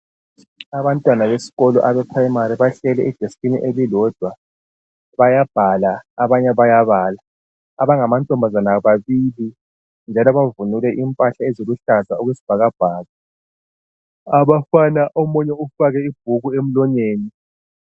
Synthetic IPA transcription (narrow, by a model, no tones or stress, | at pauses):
aβantʼwanaβesi̥ɣɔlɔ̰ʔaβɛpʰraimaɾiβaɬɛlɛʔɛd̥ʱestʼinḭʔelilɔd̥ʱwa | βajab̥ʱalaːβaɲɛβajaβaːlaː | βaŋamantʼɔmbʱazanaβaβili | nd͡ʒʱalɔβavunulɛʔimpʼaɬaezoɣuɬazauɣwesi̥b̥ʱaɣab̥ʱaːɣa | aβafanaʔɔmɔɲɛufaɣɛib̥̚ʱuɣuem̩lɔɲeːni